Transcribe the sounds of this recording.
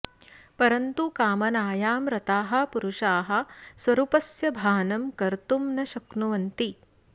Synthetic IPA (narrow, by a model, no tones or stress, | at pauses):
pɐɾɐnt̪ukaːmɐnaːjaːmɾɐt̪aːɦɐ̆puɾuʃaːɦɐ̆sʋɐɾuːpɐsjɐbʱaːnɐmkɐɾt̪umnɐʃɐknuʋɐnt̪i